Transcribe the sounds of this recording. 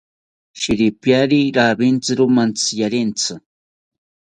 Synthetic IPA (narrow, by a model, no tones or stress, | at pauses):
ʃɪɾɪpjaɾiɾabɪnt͡sɨɾʊmant͡sɨ̥jaɾɪnt͡sɨ